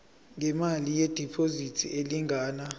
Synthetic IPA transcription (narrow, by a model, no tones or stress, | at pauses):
ŋɛmalijed̥ʱipʰʼozitʰiʔeliŋʱaːna